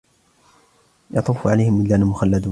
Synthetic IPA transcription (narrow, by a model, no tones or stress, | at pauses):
jɑt̪ˤuːfʕalajhɪmɪlːaːnamʊxalːad̪uː